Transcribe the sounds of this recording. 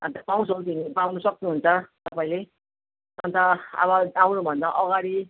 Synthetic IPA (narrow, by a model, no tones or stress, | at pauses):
ʌnt̪apaw̃sʰʌwt̪inpawnʌsʌk̚nuɦunt͡sʰʌt̪ʌpaĩle | ʌnt̪ʌʌ̰βʌawnubʱʌnd̪aʔʌɣaɾi